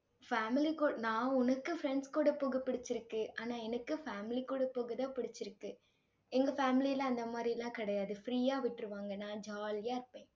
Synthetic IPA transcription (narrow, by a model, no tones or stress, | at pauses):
faːmɪlikuːnãːʊnɐkːɯfɾɛɳɖskuːɽɐpoːɣɐpːɪɽɪt͡ʃːɪɾɯkːɯaːnaːɛnɐkːɯfaːmɪlikːuːɽɐpoːɣɐðãːpɪɽɪt͡ʃːɪɾɯkːɯ | ɛŋɡɐfaːmɪlɪjɐlɐ̃ːɐnd̪ɐmaːd̪ɾilãːkɪɽɐjaːðɯfɾiːjaːʋɪʈːɪɾɯʋaːŋɡɐnãːd͡ʒaːlɪjaːɪɾɯpːẽː